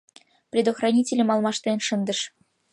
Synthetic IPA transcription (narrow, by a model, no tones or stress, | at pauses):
prʲed̪oxrɑnʲitʲelʲɘmɑlˠmɑʂt̪enʲʂɤ̆nd̪ɤ̆ʃ